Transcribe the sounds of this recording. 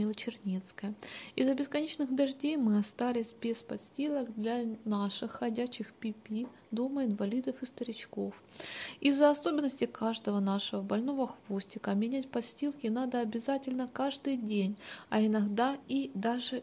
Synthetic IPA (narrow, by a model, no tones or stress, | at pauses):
ilˠət͡ɕɪrnʲet̪skəjəɪzːəbʲɪskɐnʲet͡ɕnɨɣd̪ɐʐdʲejmɨɐst̪alʲɪsʲbʲespɐt̪sʲtʲilˠəɡd̪lʲɐnaʂɨxːɐdʲæɕːɪxpʲɪpʲi | d̪oməɪnvɐlʲid̪əfɨst̪əɾʲɪt͡ɕko̞fɪzːəɐso̞bʲɪnːəsʲtʲɪkʰaʐd̪əvənaʂəvəbɐlʲno̞vəxvo̞sʲtʲɪkəmʲɪnʲæt̚ʲpɐsʲtʲilˠkʲɪnad̪əɐbʲɪzatʲɪlʲnəkaʐd̪ɨjdʲenʲɐɪnɐɡd̪aid̪aʐɨ